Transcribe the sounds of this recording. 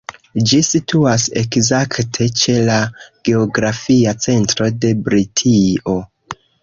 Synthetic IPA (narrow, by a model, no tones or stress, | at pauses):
d͡ʒisitʰuase̞kzaktʰe̞t͡ʃe̞laɡ̥e̞o̞ɡɾafiat͡se̞ntɾo̞de̞bɾitʰio̞